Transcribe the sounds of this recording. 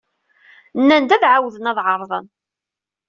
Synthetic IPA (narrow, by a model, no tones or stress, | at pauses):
nːænd̪æðʕawðənæðˤʕəɾˤðˤə̰n